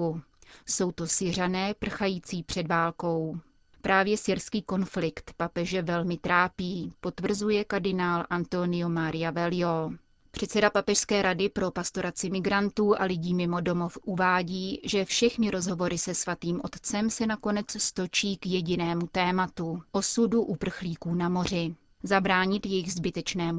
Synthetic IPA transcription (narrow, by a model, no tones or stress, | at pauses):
so̞wt̪o̞sɪr̝anɛːpr̩xajiːt͡siːpr̝̥ɛdvaːlko̞w | pɾʔaːvjɛsɪɾskiːko̞nflɪkt̪papɛʒɛvɛlmɪt̪ɾaːpiːpo̞t̪vr̩zujɛkaɾdɪnaːlʔant̪o̞nɪjomaɾɪjavɛlɪo | pr̝̥ɛt̪sɛdapapɛʃskɛːɾadɪpɾo̞past̪o̞ɾat͡sɪmɪɡɾant̪uːʔalɪɟiːmɪmo̞do̞mo̞fʔuvaːɟiːʒɛfʃɛxnɪɾo̞zɦo̞vo̞ɾʔɪsɛsvat̪iːmʔo̞̰t̪t͡sɛmsɛnako̞nɛt͡sst̪o̞t͡ʃiːkjɛɟɪnɛːmut̪ɛːmat̪uʔo̞suduʔupr̩xliːkuːnamo̞r̝ɪ | zabɾaːɲɪt̪jɛjɪɣzbɪt̪ɛt͡ʃnɛːm